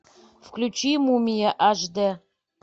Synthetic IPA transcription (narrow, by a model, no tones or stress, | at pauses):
fklʲut͡ʃʰimumʲijɛʔaʒd̪ɐ